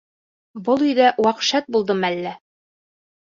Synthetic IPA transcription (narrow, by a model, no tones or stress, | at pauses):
bɤlˠyjðæʔwɑqʃæt̪̚bulˠd̪ɤmælːæ